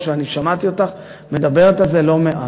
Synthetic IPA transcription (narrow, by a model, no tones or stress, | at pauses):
ʃeaniʃamat̪io̞t̪aχ | me̞d̪abe̞ʁet̪azelo̞meʔa